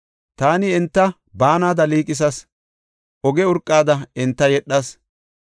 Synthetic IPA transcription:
t̪aːnɪɛnt̪ːɐ | baːnaːd̪ɐliːkʼɪs̬ɐs | ʔɔɡɛʊɾkʼːaːd̪ɐɛnt̪ːɐjɛɗːɐs

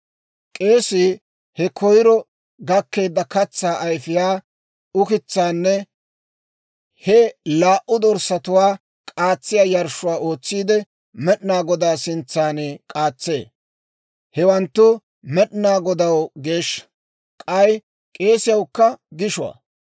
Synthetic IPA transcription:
kʼe̞ːsɪ | hɛkʰɔjɪɾɔ | ɡɐkːe̞ːd̪ːɐkɐt͡sːaːʔɐjfɪjaː | ʊkɪt͡sːaːnːɛ | hɛlaːʔʊd̪ɔɾsɐt̪ʊwaː | kʼaːt͡sːɪjaːjɐɾʃʊwaːʔo̞ːt͡sːiːd̪ɛ | mɛɗnaːɡɔd̪aːsɪnt͡sːaːnɛkʼaːt͡sːe̞ː | hɛwɐnt̪ːʊ | mɛɗnaːɡɔd̪ɐwɡe̞ːʃː | kʼɐj | kʼe̞ːsɪjɐwkːɐɡɪʃʊwɐ̰ː

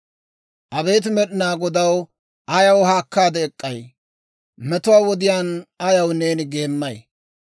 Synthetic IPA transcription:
ʔɐbɛjt̪̬ɪmɛɗɪnaːɡɔd̪ɐw | ʔɐjɐwhaːkːaːd̪ɛːkʼːɐj | mɛt̪ʊwaːwɔd̪ɪjaːnɐjɐwne̞ːnɪɡe̞ːmːɐj

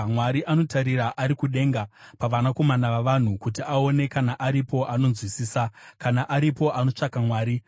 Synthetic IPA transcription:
mwaɾiʔano̞taɾiɾaʔaɾikuɗe̞ŋɡapaʋanako̞manaʋaʋan̤ukut̬iao̞ne̞kanaʔaɾipo̞ʔano̞nzwisiːsakanaʔaɾipo̞ʔano̞t͡ʂakamwaːɾi

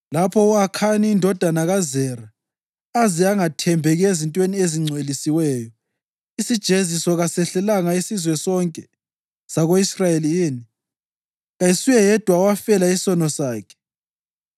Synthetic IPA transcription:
lapʰɔuakʰaniːndʱɔd̥ʱanaɣazɛɾaː | zɛaŋatʰɛmbʱɛɣezintʼwenieziŋ͡ǀʱwelisiwɛːjɔ | isid̥ʒ̥ʱezisɔɣasɛɬɛlaŋaisizwɛsɔŋkʼɛ | saɣoisrajeliiːni | ɣajisujɛjɛd̥ʱwawafɛlaisɔnɔsaːkʰɛ̥

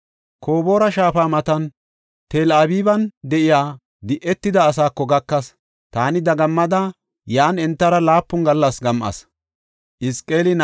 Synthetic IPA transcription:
kʰo̞ːbo̞ːɾɐʃaːfaːmɐt̪ɐn | t̪eːlʔabiːbɐnd̪ɛʔɪjaː | d̪ɪʔɛt̪ːɪd̪ɐːsaːkːɔɡɐkːɐs | t̪aːnɪd̪ɐɡɐmːɐd̪ɐ | jaːnɛnt̪ːɐɾɐlaːpːʊŋɡɐlːɐsɡɐmʔɐ̰s | ʔɪskʼːe̞ːlɪn

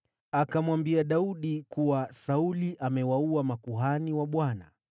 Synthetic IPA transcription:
akamwambiaɗauɗikuwasauliʔamɛwauamakuɦaniwaɓwana̰

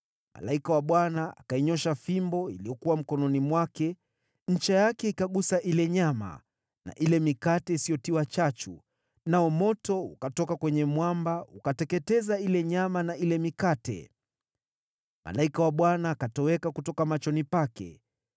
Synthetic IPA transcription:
ma̰laikawaɓwanaa̰kaiɲɔʃafimbɔḭlijɔkuwam̩kɔnɔnimwakɛ | ɲ̩t͡ʃɛjakɛikaɠusaʔilɛɲama̰ | na̰ʔilɛmikatɛisijɔtiwat͡ʃat͡ʃṵ | naɔmɔtɔukatɔkakwɛɲɛmwambaukatɛkɛtɛzailɛɲamanailɛmikatɛ̰ | ma̰laikawaɓwanaːkatɔwɛkakutɔkamat͡ʃɔnipakɛ̰

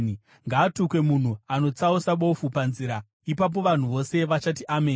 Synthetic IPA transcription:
ŋɡaːtukwe̞mun̤uano̞t͡sausaɓo̞fupanziːɾa | ipap̬o̞ʋan̤uʋo̞se̞ʋat͡ʃatiʔameːn

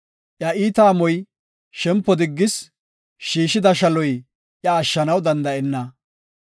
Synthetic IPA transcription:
ʔjɐʔiːt̪aːmɔj | ʃɛmpːɔd̪ɪɡːɪs | ʃiːʃɪd̪ɐʃɐlɔj | ʔjɐːʃːɐnɐwd̪ɐnd̪ɐɛnːɐ

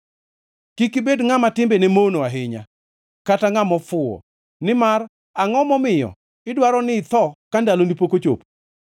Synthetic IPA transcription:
kikibedŋamatɪmbenɛmonoaɦɪɲa̰ | kataŋamɔfʊɔ̰ | nɪmar | aŋɔmɔmɪjɔ̰ | ɪdwaɾɔnɪːt̪ɔkandalonipokot͡ʃo̰p

